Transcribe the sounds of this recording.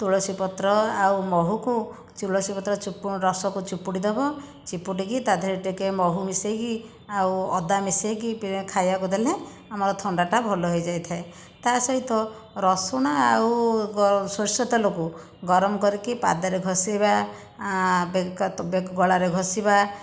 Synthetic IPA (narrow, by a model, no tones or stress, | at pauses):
t̪uɭɔsipɔt̪ɾɔawmɔɦuku | t͡ʃuɭɔsipɔt̪ɾɔt͡ʃupuɾɔsɔkut͡ʃipːuɽid̪ebɔ | t͡ʃipːuɽikit̪ad̪ʱɔɾiʈikemɔɦumiseki | awɔ̰d̪amisekipikʰajbakud̪ʱele | amɔɾɔt̪ʰɔɳɖaʈabʱɔlɔɦojd͡ʒajt̪ʰae | t̪asɔɦit̪ɔ | ɾɔsuɽ̃aawɡɔsɔsɔt̪ɔloku | ɡɔɾɔmɔkɔɾikipa̰d̪aɾeɡʱɔsiba | bebekɡɔɭaɾeɡʱɔsiba